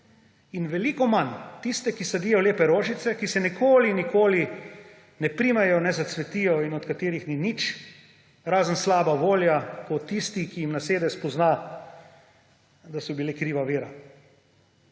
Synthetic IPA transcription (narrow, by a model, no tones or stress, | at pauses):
inʋɛlikɔmant̪ist̪ɛkisad̪iːjɔleːpɛɾoːʒit̪sɛkisɛnikʰoːlinikoːli | nɛpɾiːmɛjɔnɛzat̪sʋɛt̪iːjɔinɔt̪kat̪eːɾixninit͡ʃ | ɾaːzənslaːbaʋoːljakɔt̪ːist̪ikijimnaseːd̪ɛspɔzna | d̪asɔbileːkɾiːʋaʋiːɾa